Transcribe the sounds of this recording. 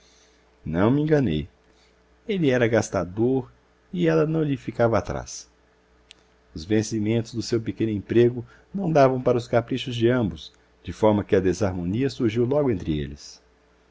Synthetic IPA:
nɐ̃w̃mɪẽŋɡɐnḛj | elɪɛɾɐɡast̪ad̪oɾ | ɪɛlɐnɐ̃w̃ʎɪfikavɐat̪ɾa̰s | ʊzvẽsimẽnt̪ʊzd̪ʊsewpekẽnʊẽpɾeɡʊ | nɐ̃w̃d̪avɐ̃w̃paɾɐʊskapɾiʃʊzd͡ʒɪɐ̃mbʊs | d͡ʒɪfɔɾmɐkɪɐd̪ezaɾmõniɐsuɾʒiwlɔɡʊẽnt̪ɾɪḛlɪs

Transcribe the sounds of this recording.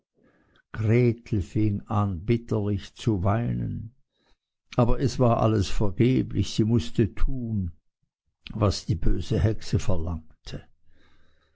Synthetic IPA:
ɡ̥ʁeːtʰl̩fɪŋanbɪtʰəlɪçt͡suvaɪnə̰n | ʔaːbɐʔɛsv̥aːɐʔa̰ləsfɛɐɡeːblɪçz̥iːmʊstətʰuːn | vasd̥iːbøːzəhɛksəfɛɐlaŋtʰə

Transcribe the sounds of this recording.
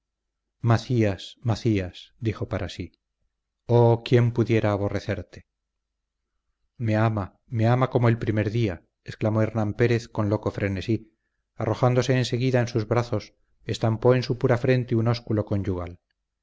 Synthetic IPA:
maθiasmaθiasd̪ixo̞paɾasi | okje̞mpuðje̞ɾaːβ̞o̞re̞θe̞ɾt̪e | me̞ama | me̞amako̞moelpɾime̞ɾðia | esklamo̞e̞ɾnãmpe̞ɾe̞θko̞nlo̞ko̞fɾe̞ne̞si | arʔo̞xand̪o̞se̞ːnse̞ɣiðaensuzβɾaθo̞s | e̞st̪ampo̞e̞nsupuɾafɾe̞nt̪euno̞skulo̞ko̞nd͡ʒuɣa̰l

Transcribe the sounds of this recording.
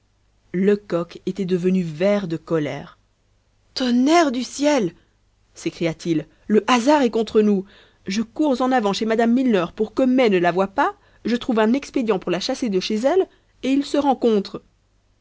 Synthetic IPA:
ləkɔket̪ɛd̪əvənyvɛʁd̪əkɔlɛ̰ːʁ | t̪ɔnɛʁd̪ysjɛl | sekχijat̪ʰilː | əʔazaʁɛkɔ̃t̪χənu | ʒəkuʁzɑ̃navɑ̃ʃemad̪amːilnœʁpuʁkəmɛnəlavwapa | ʒət̪χuvɛ̃nɛksped̪jɑ̃puʁlaʃased̪əʃezɛl | eilsəʁɑ̃kɔ̃t̪χ

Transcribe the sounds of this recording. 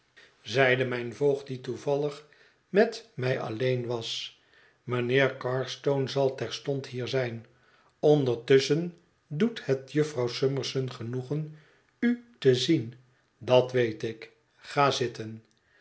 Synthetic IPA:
zɛjdəmɛjnvowχt̚dituvɑlˠəχ | mɛtmɛjʔɑ̰lejnʋɑs | mənɪːɹkɑɹstownzɑlˠtɛɹstɔnthiːɹzɛjn | ɔndəɹtɵsən | duthətjɵfrɑwsøməɹsənχənuχən | ytəzin | dɑtʋejtɪk | χaːzɪtən

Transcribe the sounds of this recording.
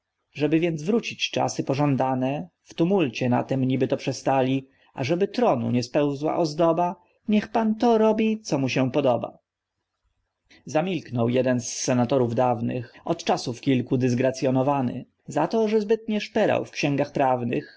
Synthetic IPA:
ʐɛbɘvʲjɛnd̪zvɾut͡ɕit͡ɕt͡ʂa̰sɘpɔʐɔnd̪anɛ | ft̪umult͡ɕɛna̰t̪ɛmɲibɘt̪ɔpʂɛst̪alʲi | ʔa̰ʐɛbɘt̪ɾɔnṵɲɛspɛwzwa̰ʔɔzd̪ɔba | ɲɛxpant̪ɔɾɔbʲit̪sɔmuɕɛpɔd̪ɔba̰ | zamʲilknɔwjɛd̪ɛnsːɛnat̪ɔɾuvd̪avnɘ̰xɔt̪t͡ʂasufkʲilkud̪ɘzɡɾat̪sʲjɔnɔvanɘ̰ | zat̪ɔʐɛzbɘt̪ɲɛʂpɛɾa̰wfkɕɛ̃ŋɡaxpɾavnɘ̰x

